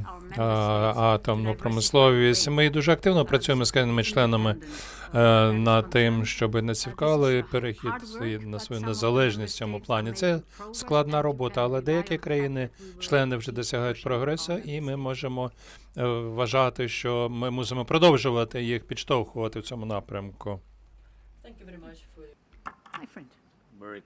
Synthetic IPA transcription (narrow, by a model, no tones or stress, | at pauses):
ɑt̪ɐmnʊpɾɔmɪslˠɔʋʲisʲtʲmɪd̪uʒɛɐk̚t̪ɪwnɔpɾɐt͡sʲujemɔsknɪmɪt͡ʃlˠɛnɐmɪ | nɐt̪ːɪmʃt͡ʃɔbɪnɐt͡sʲiwkɑlˠɪpeɾɪxʲid̪inɐsʋɔjunezɐlˠɛʒnʲisʲt͡sʲɔmʊplˠɑnʲit̪sɛsklˠɐd̪nɑɾɔbɔt̪ɐːlˠɛd̪ɛjɐkʲikɾɐjinɪt͡ʃlˠɛnɪwʒɛd̪ɔsʲɐɦɑjʊt̚ʲpɾɔɦɾɛsʊʔimɪmɔʒemɔ | ʋɐʒɑt̪ɪʃt͡ʃɔmɪmusɪmɔpɾɔd̪ɔwʒʊʋɐt̪ɪjixpʲid̪ʃt̪ɔwxʊʋɐt̪ɪwt͡sʲɔmʊnɑpɾʲɐmkʊ